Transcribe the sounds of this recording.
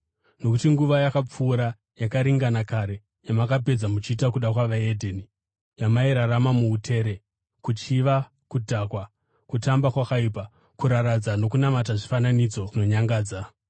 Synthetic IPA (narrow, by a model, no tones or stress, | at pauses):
no̞kutiŋɡuʋajakap͡fuːɾa | jakaɾiŋɡanakaɾe̞ | jamakape̞d͡zamut͡ʃiːtakuɗakwaʋaedʱeni | jamaiɾaɾamamuutʰe̞ːɾe̞ | kut͡ʃiʋa | kudʱakwa | kutambakwakaip̬a | kuɾaɾad͡zano̞kunamat̬aʐifananid͡zo̞no̞ɲaŋɡaːd͡za